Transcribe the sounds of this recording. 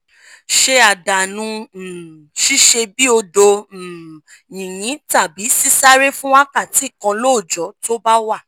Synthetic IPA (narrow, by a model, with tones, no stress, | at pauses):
ʃe˧a˨da˨nũ˧˨ | ʃi˦ʃe˧bi˦o˧do˧˨ | jĩ˨jĩ˨˦ta˦˨bi˨˦si˦sa˦ɾe˦fũ˦wa˦ka˦˨ti˨˦˨kã˧lo˦˨d͡ʒɔ˨˦to˦ba˦wa˦˨